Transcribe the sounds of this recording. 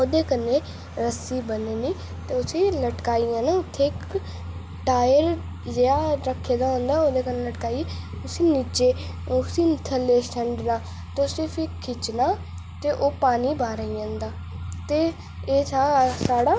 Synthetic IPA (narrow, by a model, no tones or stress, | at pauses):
oːd̪eːkənːẽː | ɾəsiːbəneːniː | t̪eːʊsiːləʈkaːijãːnaʊt̪ʰːeːk | ʈaːjəɾ | d͡ʒeaːɾəkʰːeːd̪aːɦõnd̪aːoːd̪eːkəneːləʈkaːie | ʊsiːniːt͡ʃeː | ʊsiːnt̪ʰəleːsəɳɖnaː | t̪eʊsiːfʰikʰɪt͡ʃnaː | t̪eːʔoːpaːniːbaːɾəijãːnd̪aː | t̪eː | eːsʰaːsaːɽaː